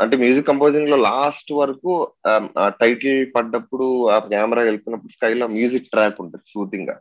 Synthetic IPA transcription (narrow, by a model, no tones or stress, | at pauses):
ɐ̰ɳʈeːmjuːd͡ʒikːɐmpoːd͡ʒiŋɡlo̞ːlaːsʈʋɐɾɐku | ʈɐjʈlpɐɖːɐpːuɽuakaːmɐɾaːeluk̪unːɐpːuɽuskɐjloːmjuːd͡ʒik̚ːʈɾaːkuɳʈaːɾisuːt̪iŋɡa̰ː